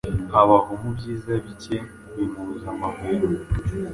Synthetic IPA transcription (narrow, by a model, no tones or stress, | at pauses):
aβaɦomubɟiːzaβice | wimuɾzamaɦoɾo